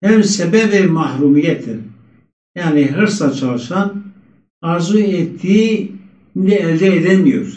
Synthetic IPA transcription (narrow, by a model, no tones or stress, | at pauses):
hɛmsɛbɛvɛmahɾumɡɛt̪ʰən | janiɦəɾsat͡ʃʰalʃan | aɾzuɛt̪ʰi | ind̪iɛd̪ɛːd̪ɛnijuɾ